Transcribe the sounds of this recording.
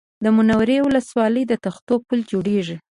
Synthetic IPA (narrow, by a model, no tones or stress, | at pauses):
d̪əmʊnawaɾewʊləswɑləjd̪ət̪axt̪opuld͡ʒoɽeʐi